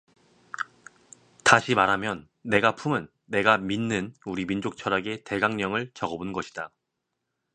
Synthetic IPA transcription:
taɕʰimaɾɦamjʌnː | e̞ɡapʰumɯnːe̞ɡaminːɯnuɾimind͡ʑok̚t͡ɕʰʌɾaɡe̞te̞ɡaŋɲʌŋɯɭt͡ɕʌɡʌbunɡʌɕʰi̥d̥a

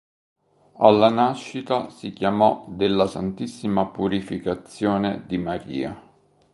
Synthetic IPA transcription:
alːanaʃːit̪asikjamɔd̪elːasant̪isːimapuɾifikat̪sːjoːned̪imaɾḭːa̰

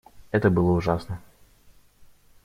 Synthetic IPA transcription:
ɛt̪əbɨlˠəʊʐasnə

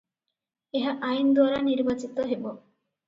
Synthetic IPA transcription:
eɦaʔajind̪waɾaniɾbat͡ʃit̪ɔɦebo

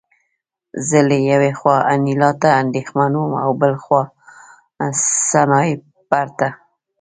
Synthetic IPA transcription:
zəlejawexwɑanilɑt̪aːnd̪exmanwuma̰wbəlxwɑ | sanɑe | paɾt̪a

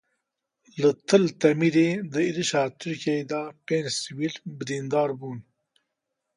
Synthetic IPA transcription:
lɨt̪ʰɨlt̪ɛmiɾeːd̪ɨiɾɨʃɑːt̪ʰɨɾkiɛed̪ɑːpeːnd͡ʒsiwiːlbɨd̪iːnd̪ɑːɾbuːn

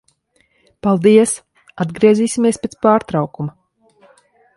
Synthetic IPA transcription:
palˠd̪iɛs | ad̪ɡɾiɛziːsʲimʲiɛspʲet̪spaːɾt̪ɾɑwkuma

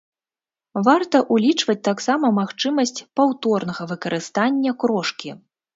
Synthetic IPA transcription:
vart̪ɐʔulʲit͡ʂvɐt͡sʲt̪aksamɐmaxt͡ʂɨmɐsʲt͡sʲpawt̪ɔrnɐɣɐvɨkɐɾʔɨst̪anʲːɐkɾɔʂkʲi

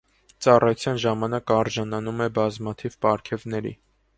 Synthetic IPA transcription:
t͡sɑrɑjut͡sʰjɑnʒɑmɑnɑkɑɾʒɑnɑnumɛbɑzmɑt̪ʰivpɑɾkʰɛvnɛɾḭ

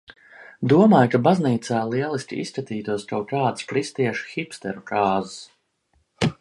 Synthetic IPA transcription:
d̪uɔmaːjkabazniːt̪saːlˠiɛlˠisʲkʲḭḭskat̪iːt̪uɔskawkaːt̪skɾist̪iɛʃu̥xipst̪ɛ̰ɾukaːzs

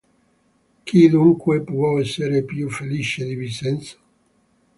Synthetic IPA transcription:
kid̪uŋkwepɔɛsːeɾepjufelit͡ʃed̪ivisɛnt̪sḁ

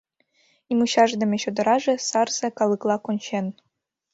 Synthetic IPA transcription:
imuɕɑʐd̪ɘ̆mʲĕɕod̪ɤ̆ɾɑʐĕsɑrzĕkɑlˠɯklˠɑkonʲɕen

